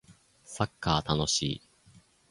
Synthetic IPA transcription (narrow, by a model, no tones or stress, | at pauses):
sakːaːt̪ano̞ɕḭː